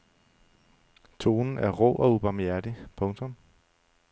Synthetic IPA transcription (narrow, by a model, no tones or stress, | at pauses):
t͡sʰo̝ːnn̩æɐʁo̰ːʔɒ̽ub̥ɑ̈mjæɐɾ̥ipʰɔ̽ŋt͡sʰɔ̽m